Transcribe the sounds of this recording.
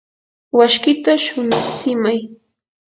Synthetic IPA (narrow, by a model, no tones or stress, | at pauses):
waʃkɪt̪aʃʊnaχsɪmaj